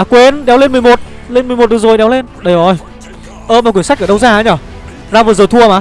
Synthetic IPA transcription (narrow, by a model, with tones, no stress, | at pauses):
a˨˩kwe˨˦nɗɛ˨˦wle˧nmɨ˨əjmo˨˩t̚ | le˧nm˨˩jmo˨˩t̚ɗɨ˨˦zo˨˩jɗɛ˨˦wle˧nɗə˧jʔɔ˧˩j | ʔəː˧˩maː˨˩kwəsa˥k̚əː˧˩ɗə˧wzaː˧haː˨˦ɲa˧˩ | zaː˧vəː˨˩zəː˨˩t̪ʰu˧ə˨maː˨˦